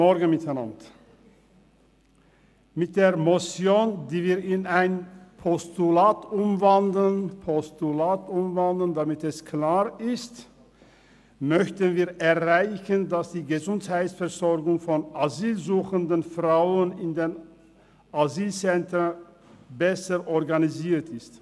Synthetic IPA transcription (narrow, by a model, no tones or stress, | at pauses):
ɔɐɡən̩mɪtʰaɪna̰nt | mɪt̚d̥eːɐmɔt͡sjoːndiːviːɐɪnaɪnpʰɔstulaːtʔʊmvandlənpʰɔstulaːtʔʊmvandl̩əndamɪtɛskʰlaːʁɪst | mœçtənviːɐɛɐʁaɪçəndasd̥iːɡəzʊnthaɪtsfɛʁzɔɐɡʊŋfɔnaziːlzuːxəndənfʁaʊənɪndeːn | ʔaziːlt͡sɛntən | bɛsəʔɔʁɡaniziːɐtʰɪst